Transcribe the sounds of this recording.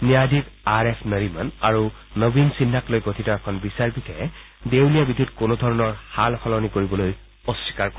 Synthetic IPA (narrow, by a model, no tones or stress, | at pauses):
nijadikaɹɛpʰnəɹimanaɹu | nobinsinːaklojɡotʰitaɹkʰɔnbisaɹbitʰɛ | dewlijabidʱutkonodʱɔɹɔnɔɹhalxɔlɔnikoɹibɔloj | ɔsːi̥kaɹkɔ